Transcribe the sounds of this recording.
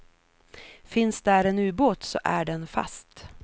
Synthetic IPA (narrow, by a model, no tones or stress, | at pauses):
fɪnsd̪æɾɛnʉ̟ːboːt̪sɔ̰ʔæɖɛnfa̰st̪